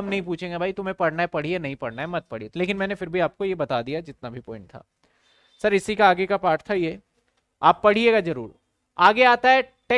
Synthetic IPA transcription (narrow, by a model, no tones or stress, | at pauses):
ɦɐmnɐɦĩp̬uːt͡ʃʰẽːŋɡebʱaːit̪ʊmẽpɐɽ̤naɦɛpɐɽ̤ienɐɦĩpɐɽ̤naɦɛmɐt̪̚pɐɽ̤ieleːkɪnmɛ̃ːnefɪɾbʱiaːp̚kojebɐt̪ad̪ijad͡ʒɪt̪nabʱipɔːɪ̃ɳʈ̚t̪ʰa̰ː | sɐɾɪsikaːɡekapaːɾʈt̪ʰajeː | aːpːɐɽ̤ieɡazɐɾṵːɾ | aːɡeaːt̪aɦɛʈeː